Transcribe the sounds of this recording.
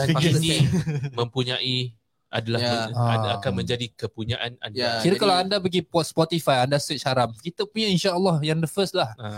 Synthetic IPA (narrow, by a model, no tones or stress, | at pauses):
nĩmə̃mpuɲaʔi | a̰dalaakanmə̃ɲd͡ʒadikəpuɲaʔana̰njakiɾəakalawandabəɡipɔt̪̚spɔt̪ifajandasət͡ʃhaɾamkit̪əpuɲainʃaəlːɔhjaŋdəfəslah